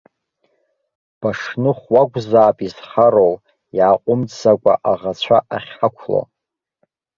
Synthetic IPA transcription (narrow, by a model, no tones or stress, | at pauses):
b̥aʂnɨχwaɡʷʼzaːpʼizħaɾol | jʕaqʷʼʊmt͡sːakʷʼa̰ʔaʁat͡ɕʷʰaʔaχʲħakʷʰlo̰